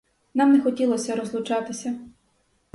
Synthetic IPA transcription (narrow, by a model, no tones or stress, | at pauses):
nɑmnɛxɔtʲilˠɔsʲɐɾɔzlˠʊt͡ʃɑt̪ɪsʲɐ